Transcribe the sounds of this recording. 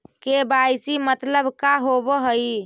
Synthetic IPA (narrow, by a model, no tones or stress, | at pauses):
kebajsimət̪ləbʱkaɦobɔɦəi